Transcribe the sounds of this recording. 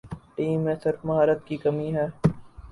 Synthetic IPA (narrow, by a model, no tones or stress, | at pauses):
ʈiːmːẽsɪɾfmɐɦaːɾət̪̚kikɐmiɦɛː